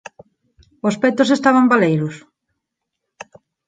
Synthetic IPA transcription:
ospɛt̪osest̪aβambalejɾʊs

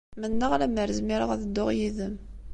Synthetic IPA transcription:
mənːəʁlæməɾzmiɾa̰ʁæðəd̪ːʊʁjiðəm

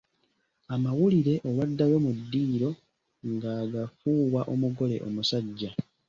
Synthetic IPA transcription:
amawuliɾe̞ʔoβadːawemudːiːɾo̞ | ŋɡaːɡafuːwaʔo̞muɡo̞le̞̰ʔo̞̰musaɟːa

